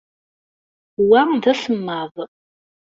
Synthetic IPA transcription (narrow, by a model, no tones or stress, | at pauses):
wamdɐɬɨmːaːv